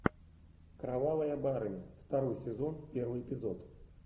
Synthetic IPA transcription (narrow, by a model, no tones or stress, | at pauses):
kɾavavɐjɐbaɾɨnʲɛft̪aɾɔjsʲɛzɔnpʲɛrvɨjɛpʲizɔt̪